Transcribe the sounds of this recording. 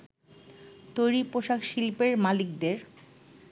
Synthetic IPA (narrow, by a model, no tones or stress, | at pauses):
t̪ojɾipoʃakʃilpeɾmalikd̪eɾ